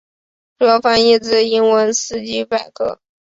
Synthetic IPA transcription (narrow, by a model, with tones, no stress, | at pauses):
pɔ˥fa˥ni˥˧t͡sɹ̩˥˩i˥nwə˧˥nsɹ̩˥t͡ɕi˥pa˥˩ɪkʰɤ̰˥